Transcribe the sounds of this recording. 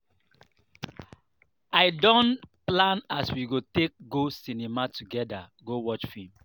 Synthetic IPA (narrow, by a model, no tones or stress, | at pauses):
aɪdɔ̃nplãnaswiɡotek̚ɡosinimatʰuɡɛdaɡowɔt͡ʃfim